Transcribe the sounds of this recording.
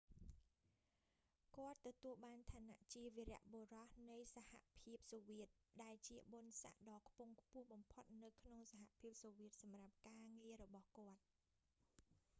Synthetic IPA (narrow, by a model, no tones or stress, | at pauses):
kŏət̪ːɔt̪uəlɓaːnt̪ʰaːnaʔt͡ɕiəʋiɾɛ̆əʔɓoːrɑhnɨjsaha̰ʔpʰiəp̚soːʋiət̪̚ɗaɛlt͡ɕiəɓonsa̰ʔɗɑːkʰpuŋkʰpʊ̆əhɓɑmpʰot̪̚nɨwkʰnoŋsaɦaʔpʰiəp̚soːʋiət̪̚sɑmrap̚kaːŋiəɾɔɓɑhkŏət̪̚